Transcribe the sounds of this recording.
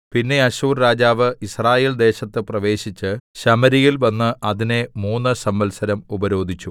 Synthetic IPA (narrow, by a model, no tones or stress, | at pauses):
pinːe̞ɐɕuːrɾaːd͡ʑaːʋɨisraːje̞ːld̪e̞ːɕɐt̪ːɨprɐʋe̞ːɕit͡ɕːɨɕɐmɐɾijilʋɐnːɨʔɐðine̞muːnːɨsɐmbɐlsɐɾɐmubɐɾo̞ːd̪ʱit͡ɕːu